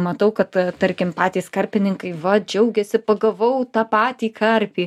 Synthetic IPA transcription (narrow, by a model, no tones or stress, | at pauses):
mɐt̪ɐʊkɐt̪t̪ɐɾʲkʲɪmpɑːt̪ʲiːskɐrʲpʲɪnʲɪŋkɐɪʋɐd͡ʒʲɛʊɡʲɛsʲɪpɐɡɐʋɐʊt̪ɑːpɑːt̪ʲiːkʰɐrʲpʲiː